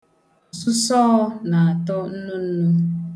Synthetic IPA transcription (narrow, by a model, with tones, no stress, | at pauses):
ɔ˨sʊ˦sɔː˦na˨a˨tʊ˦n̩˦nʊ˦n̩˦nu˦